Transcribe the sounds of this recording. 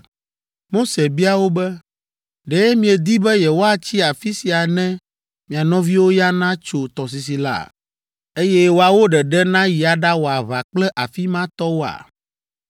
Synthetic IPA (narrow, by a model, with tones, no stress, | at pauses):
mo˦se˨bi˦a˨wo˦bɛ˦ | ɖɛ˨ɛ˦mĩ˨ɛ˨d̪i˦bɛ˦jɛ˨wo˦a˦t͡ɕi˦a˨fi˦si˨a˨nɛ̃˦ | mĩ˨a˨nɔ̃˦vi˦wo˦ja˦nã˦t͡ʃo˨t̪ɔ˨s̬i˨s̬i˨la̰˦˨ | e˦jɛ˦wo˨a˨wo˦ɖɛ˨ɖɛ˦nã˦ji˨a˨ɖa˦wo˨a˨βa˨k͡plɛ˦ʔa˨fi˦mã˦t̪ɔ˦wo˦a̰˨